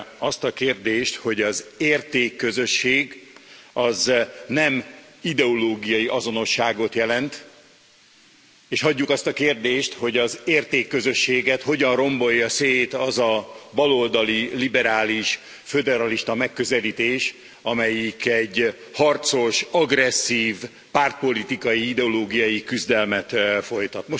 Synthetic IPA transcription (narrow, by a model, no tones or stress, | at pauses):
ɒst̪ɒkeːrd̪eːʃt̪ho̞ɟɒzeːrt̪eːkːø̞zø̞ʃːeːɡɒznɛmid̪ɛo̞loːɡijɒjiʔɒzo̞no̞ʃːaːɡo̞t̪jɛlɛnt̪ | eːʃhɒɟːukɒst̪ɒkeːrd̪eːʃt̪ho̞ɟɒzeːrt̪eːkːø̞zø̞ʃːeːɡɛt̪ho̞ɟɒnro̞mbo̞jːɒseːt̪ɒzɒbɒlold̪ɒlilibɛɾaːliʃ | fød̪ɛɾɒliʃt̪ɒmɛkːøzɛliːt̪eːʃ | ɒmɛjikɛɟː | hɒrt̪so̞ʃɒɡrɛsːiːv | paːrt̪̚po̞lit̪ikɒjiid̪ɛoloːɡijɒjikyzd̪ɛlmɛt̪fo̞jt̪ɒt̪mo